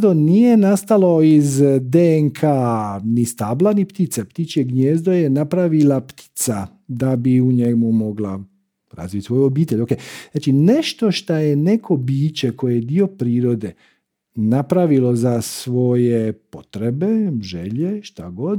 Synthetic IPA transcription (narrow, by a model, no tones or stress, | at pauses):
d̪o̞nije̞nast̪alo̞izd̪eŋkʰaːnist̪aːblanipt̪it̪sept̪it͡ʃjeɡɲeːzd̪oje̞napɾaʋilapt̪i̥t̪sa | d̪abiuɲemumo̞ɡla | ɾa̰zʋit̪ʲsʋo̞juobiːt̪eʎʲo̞keaːt͡ʃine̞ʃt̪o̞ʃt̪ajene̞kʰo̞biːt͡ɕe̞ko̞jejed̪io̞pɾiːɾo̞d̪e̞ | napɾaʋilo̞zasʋo̞je̞pot̪ɾe̞be̞ʒeʎe̞ʃt̪aɡo̞d̪